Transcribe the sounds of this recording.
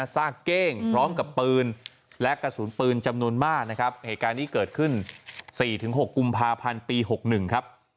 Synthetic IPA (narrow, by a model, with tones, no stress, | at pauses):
a˧saː˥˩kːeː˥˩ŋpʰɾɔː˦˥mka˨˩pːɯː˧n | lɛ˦˥ʔka˧suː˩˦npɯː˧nt͡ɕa˧mnu˧ənmaː˥˩k̚na˦˥kʰa˦˥p̚heː˨˩kaː˧nːtiː˥˩kɤː˨˩t̪̚kʰɯ˥˩nsiː˨˩t̪ʰɯ˩˦ŋɦo˨˩kːu˧mpʰaː˧pʰa˧npiː˧ɦo˨˩k̚nɯ˨˩ŋkʰa˦˥p̚